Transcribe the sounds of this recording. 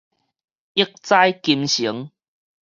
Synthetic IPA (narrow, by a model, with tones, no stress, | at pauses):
i˦˥ək̚t͡sa˦jki˧mɕi˨˦ə˦ŋ